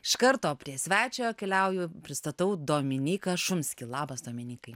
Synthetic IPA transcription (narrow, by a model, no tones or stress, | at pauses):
ɪʃkɐɾt̪oːpʲɾʲiɛsʲʋʲæːt͡ʃʲoːjoːkʲɛlʲɛʊjʊpʲɾʲɪst̪ɐt̪ɐʊd̪oːmʲɪnʲiːkɐʃʊmʲsʲkʲɪlˠɑːbɐsd̪oːmʲɪnʲiːkɐɪ